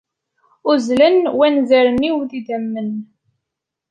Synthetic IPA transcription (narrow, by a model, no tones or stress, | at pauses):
ʊzlənwænzæɾəniwðid̪æmːən